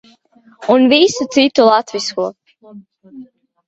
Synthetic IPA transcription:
unvisut̪sit̪ulˠat̪viskuɔ

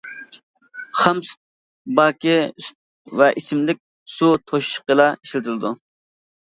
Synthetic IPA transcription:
χɑms | bɑːkʲis | vɛʔisɪmlɪk̚ʲ | sut̪ʰoʃi̥ʃqəlˠɑi̥ʃlɪt̪ʰɪlˠɨd̪u

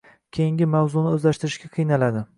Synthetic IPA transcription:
kʲʰejɪŋɡʲɪmawzʊnɪɵzlaʃt̪ɪɾɪʃɡʲaqʰɨjnalad̪ɪ

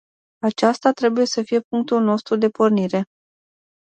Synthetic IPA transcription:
at͡ʃast̪at̪ɾe̞buje̞səfije̞puŋk̚t̪ulno̞st̪ɾud̪e̞porniɾe̞

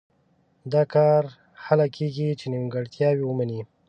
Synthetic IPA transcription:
d̪ɑkɑɾ | halakʰeɡit͡ʃenimɡaɽt̪jɑwiwəmani

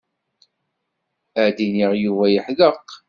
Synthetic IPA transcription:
æd̪iniʁjuvæjəħðəq

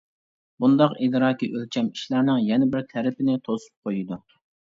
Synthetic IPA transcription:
bund̪ɑqid̪ɾɑːkʲiʔølt͡ʃʰʲɛmiʃlæɾnɪŋjɛnɪbɪɾt̪ʰæɾɪpʰɪnɪt̪ʰosu̥p̚qʰojid̪u

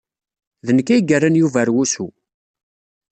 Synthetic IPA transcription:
ðənəkːæjɡərːanjuvæɾwusu

